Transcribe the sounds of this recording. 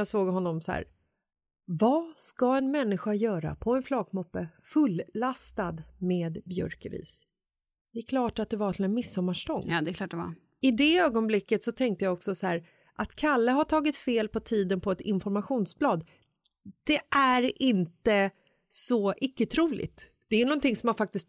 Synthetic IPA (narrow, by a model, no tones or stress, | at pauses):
asoːɡɦɔnːɔmshæ̰ːɾ | vɑskaɛnmɛnːɪɧajœːɾa̰pʰɔɛnflɑːɡmʊpːəfɵlːast̪ad̪meːd̪bjɵ̰ɾkəɾḭːs | d̪ɛɛkʰlɑːʈat̪̚d̪ɛvaɾtɪlɛnmɪsːɔmːaʂʈɔŋːd̪ɛkʰlɑːdɛa̰ | ɪd̪ɛøːɡɔnblɪkːət̪sɔt̪ʰɛŋk̚t̪əjaɔksɔsɔhæːɾ | ʔat̪kʰalːəɦaʈʰɑːɡɪt̪feːlpʰɔt̪ʰiːd̪ənpʰɔɛt̪ɪnfɔɾmaɧuːnsblɑːd̪ | d̪̥ɛʔæɾɪnt̪ə | sɔʔɪkːət̪ʰɾuːlɪ̰t̪ | d̪̥ɛænɔnt̪ɪŋsɔmanfak̚t̪ɪst̪